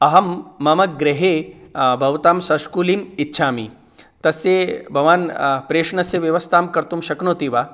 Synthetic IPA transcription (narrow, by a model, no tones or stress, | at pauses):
ɐɦɐmːɐmɐk̚ɡɾeɦeːbʱɐʋt̪aːmsɐʃkuːliːmitːʃʰaːmḭ | t̪ɐsebʱɐʋaːnpɾeːʂɳɐseʋjɐʋɐst̪ʰaːmkɐɾt̪umʃɐkɳoːt̪iːʋaː